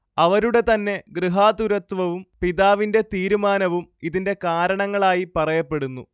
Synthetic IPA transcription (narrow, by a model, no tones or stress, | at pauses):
ɐʋɐɾuɽe̞t̪ɐnːe̞ɡriɦaːd̪uɾɐt̪ʋɐʋumpiðaːʋinde̞t̪iːɾumaːnɐʋumiðinde̞kaːɾɐɳɐŋːɐɭaːjipɐrɐjɐpːe̞ɽunːṵ